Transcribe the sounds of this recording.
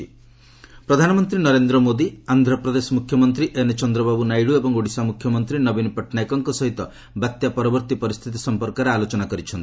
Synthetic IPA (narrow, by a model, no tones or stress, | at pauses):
pɾɔd̪ʱanɔmɔnt̪ɾinɔɾend̪ɾɔmod̪iand̪ʱɾɔpɾɔd̪esɔmukʰːjɔmɔnt̪ɾiʔenet͡ʃɔnd̪ɾɔbabunajɽuebɔŋɡoɽisamukʰjɔmɔnt̪ɾinɔbinpɔʈʰnajkɔŋkɔsɔɦit̪ɔ | bat̪japɔɾɔbɔɾt̪ipɔɾist̪ʰit̪̬isɔmpɔɾkɔɾealot͡ʃɔnakɔɾit͡ʃʰɔnt̪i